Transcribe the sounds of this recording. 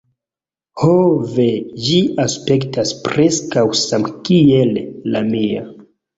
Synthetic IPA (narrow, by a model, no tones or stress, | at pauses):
hoved͡ʒiaspe̞ktaspɾeskawsamkielːamia̰